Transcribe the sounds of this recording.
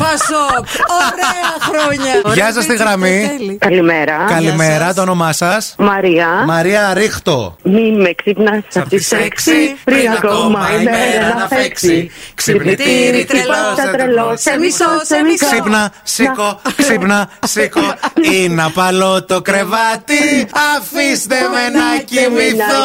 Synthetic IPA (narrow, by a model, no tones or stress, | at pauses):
ɐsoɾeɾoɲɐʝɐs̬ɐst̪iɣɾɐmikɐlimeɾɐkɐlimeɾɐt̪oono̞mɐsɐsmɐɾiɐmɐɾiɐɾixt̪o̰mimeksipnɐsɐft̪ieksipɾiɣɐkomɐimeenɐfekksiksiniɾiɐt̪ɾeloseiseksipnɐsikoksipnɐsikoinɐpɐlo̞t̪o̞kɾe̞vɐt̪iɐfist̪emenɐcimiθo